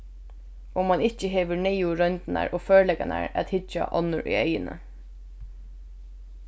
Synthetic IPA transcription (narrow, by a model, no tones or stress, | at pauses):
ɔmanɪt͡ʃəɦeːʋʏɹnɛjʊɾœnt̪na̰ɹʔoːføːɹlɛkana̰ɹæ̰t̪hɪt͡ʃːa̰ʔɔ̰nʊɹʔy̰œjənə̰